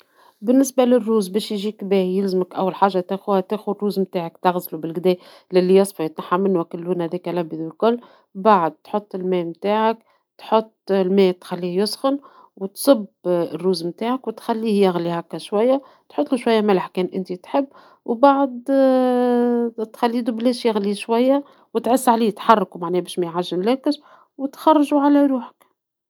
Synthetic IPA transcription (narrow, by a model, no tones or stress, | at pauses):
bɪnːɪsbalɪrːuːzbɛːʃjʒiːkbɛːhjɪlzɪməkʔæwːalħaːʒːat̪æxuːhæt̪eːxurːuːzmt̪aːʕakt̪aɣzlubɪlɡd̪ɛː | lɪlːijɑsˤfɑjɪt̪naħːamɪnːwækɪlːuːnhæðiːkælæbːid̪ɪlkʊlː | baʕd̪̚t̪ħot̪ˤːɪlmɛːmt̪aːʕak̚ | t̪ħot̪ˤːlmɛːt̪xalːiːhjʊsxʊn | wt̪sˤɨbrːuːzmt̪aːʕakwɪt̪xælːiːhjɪɣlihakːæʃwæjːa | t̪ħot̪ˤːluʃwajːæmæləħkɛːnʔɪnt̪it̪ħɪbː | wbaʕd̪ | t̪xælːiːd̪ubleːʃjɪɣliʃwæjːa | wɪt̪ʕɪsːʕaliːt̪ħɑrˤːɑkumaʕnɛːbɛːʃmæjʕaʒːɪnlæːkɪʃ | wɪt̪xɑrˤːɑʒuʕalæɾuːħə̥k